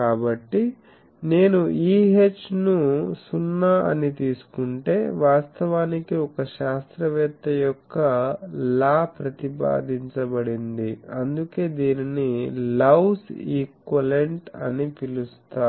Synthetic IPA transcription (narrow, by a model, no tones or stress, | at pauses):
kaːbɐʈːi | ne̞ːnuiːɦe̞t͡ʃːnusunːaʔɐ̰nit̪iːsu̥kuɳʈe̞ːʋaːst̪ɐʋaːnikiɔkɐʃaːst̪ɾɐʋɛːt̪ːɐjɔkːɐlaːpɾɐt̪ipa̰ːd̪iɲt͡ʃɐbɐɽind̪iɐnd̪uke̞ːd̪iːninilɐwsiːkʋɐleɳʈɐ̰nipilust̪aː